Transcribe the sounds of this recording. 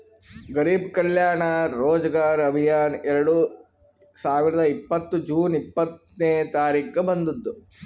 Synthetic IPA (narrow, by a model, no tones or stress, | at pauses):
ɡɐɾiːbkɐljaːɳɐɾoːd͡ʒɐɡaːɾɐbʱijaːnɛɾɐɽu | saːʋiɾɐd̪ɐipːɐt̪ːud͡ʒuːnipːɐt̪ | neːt̪aːɾiːkɐbɐnd̪ud̪ːu